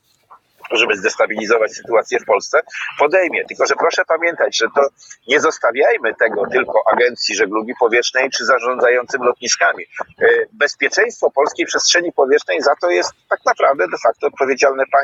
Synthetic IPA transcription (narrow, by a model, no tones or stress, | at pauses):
ʐɛmɘzd̪ɛst̪abʲilʲizɔvat͡ɕsɘ̥t̪uat̪sʲjɛfpɔlst̪sɛpɔd̪ɛjmʲjɛt̪ɘlkɔʐɛpɾɔʂɛpamʲjɛnt̪ad͡ʑʐɛt̪ɔ | ɲɛzɔst̪avʲjajmɘt̪ɛɡɔt̪ɘlkɔʔaɡɛnt̪sʲjiʐɛɡlubʲipɔvʲjɛʂnɛjt͡ʂɘzaʐɔ̃nd̪zajɔnt̪sɘmlɔt̪ɲiskamʲi | bɛspʲjɛt͡ʂɛj̃st̪fɔpɔlskʲejpʂɛstʂɛɲipɔvʲjɛtnɛjzat̪ɔjɛst̪ːaknapɾavd̪ɛd̪ɛfak̚t̪ɔːt̪̚pɔvʲjed͡ʑalnɛpa